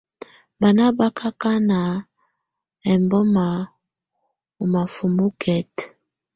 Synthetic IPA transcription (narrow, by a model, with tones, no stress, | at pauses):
ba˨na˦ba˦kʰa˦ka˦na˨ | ɛ˨mbɔ˦ma˨ | u˨ma˨fu˨mu˦kʰɛ˦t